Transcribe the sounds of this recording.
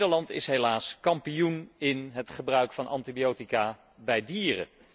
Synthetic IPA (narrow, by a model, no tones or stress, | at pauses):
dəɹlɑntɪ̰sɦejlaːskɑmpijunɪnɦətχəbrœɥkfɑnʔɑ̰ntibijowtikaː | bɛjdiːrə̰